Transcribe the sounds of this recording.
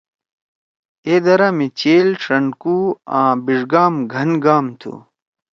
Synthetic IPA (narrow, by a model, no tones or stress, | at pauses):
eːd̪ɐɾɐmit͡ɕeːlʈ͡ʂɐɳɖkuãːbiʐɡaːmɡʱɐnɡaːmt̪ʰṵ